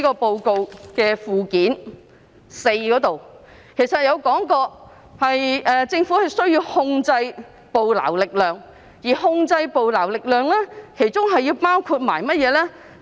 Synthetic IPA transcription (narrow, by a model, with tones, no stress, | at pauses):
kɔː˧po˧wko˨˧wkɛː˧fuː˨˧kiː˨˥n | se˧jkɔː˨˥t̪o˨w | kʰe˨˩jsɐ˨˩t̚jɐ˨˧wkɔː˨˥ŋkɔː˧ | hɐ˨jʔɛː˨t͡sɪ˧ŋfuː˨˥hɐ˨jsɵ˥ɥjiː˧whʊ˧ŋt͡sɐ˧j | po˨wla̰ː˨˩wlɪ˨k̚lœː˨˩ŋ | jiː˨˩hʊ˧ŋt͡sɐ˧jpo˨wlaː˨˩wlɪ˨k̚lœː˨˧ŋlɛː˥kʰe˨˩jt͡sʊ˥ŋɦɐ˨ji˧wpaː˥wkʰuː˧t̚ma̰ː˨˩jmɐ˥t̚jɛː˨˧lɛː˥